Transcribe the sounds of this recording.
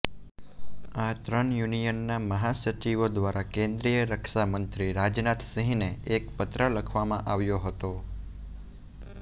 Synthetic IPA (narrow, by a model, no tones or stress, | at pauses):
at̪ɾəɳjunijənːaməɦasət͡ʃiʋod̪ʋaɾʔakẽnd̪ɾijəɾəkʰʃamənt̪ɾiɾad͡ʒnat̪sə̃ɦĩneekpət̪ɾələkʰʋamãʔaʋjoɦət̪o